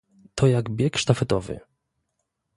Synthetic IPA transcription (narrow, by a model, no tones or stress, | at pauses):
t̪ʰɔjaɡbʲjɛkʂt̪afɛt̪ɔvɘ̰